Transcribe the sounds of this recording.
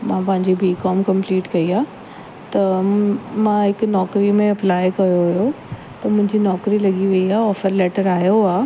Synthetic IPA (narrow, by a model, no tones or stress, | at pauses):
mãːpɐ̃ɦɪ̃ɲd͡ʑibiːkɔːmkɐ̃mpliːʈkɐiaː | t̪ɐ | mãɦɪkʊnɔːkɾimẽɐplaːɪkɐjoɦʊjo | t̪ɐmʊ̃ɦɪ̃ɲd͡ʑinɔːkɾilɐɡiʋɐiaːɔːfəɾlɛːʈəɾaːjoaː